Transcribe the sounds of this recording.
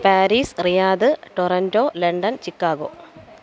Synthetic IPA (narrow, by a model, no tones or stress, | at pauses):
paːɾiːsrijaːðɨʈorɐndoːleɳɖɐnt͡ɕikːaːɣo̰ː